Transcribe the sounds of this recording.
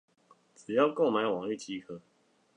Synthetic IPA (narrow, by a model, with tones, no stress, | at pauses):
ʈ͡ʂ̩˨˩jɑ˥˧ʊko˥˨ʊma˨˦ɪwɑ˨˩ŋli˥˨t͡ɕi˦˥kʰɤ˦